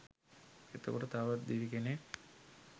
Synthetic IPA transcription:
et̪okoʈət̪aʋat̪̚d̪iʋikene

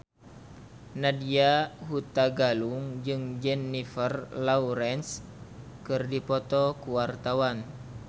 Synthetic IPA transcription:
nadiaɦut̪aɡaluŋd͡ʒɨŋd͡ʒɛnːifərlauɾɛns | kɨrdipɔt̪ɔkuwart̪awan

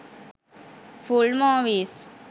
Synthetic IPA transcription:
fulmãːʋiːs

